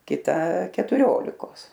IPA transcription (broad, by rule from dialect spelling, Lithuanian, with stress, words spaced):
kʲɪˈtɐ kʲɛtʊˈrʲoːlʲɪkoːs